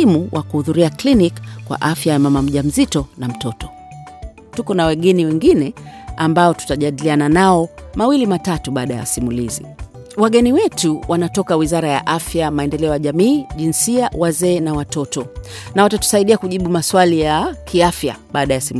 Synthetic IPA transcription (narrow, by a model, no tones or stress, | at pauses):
imuwʔakuhuðuɾiaklinikkːwa̰ʔafjajamamam̩ʄam̩zitɔnam̩tɔtɔ | tukɔnawɛɠɛniwɛŋɡinɛambaɔtu̥taʄaɗiliananaɔmawilimatatuɓaːɗaja̰simulizḭ | waɠɛniwɛtuwʔanatɔkawizaɾaja̰ʔafjamaɛndɛlɛɔjaʄamiːʄinsiawazɛːnawatɔtɔnawatatu̥saiɗiakuʄiɓumaswalijakʰiafja̰ɓaːɗajasim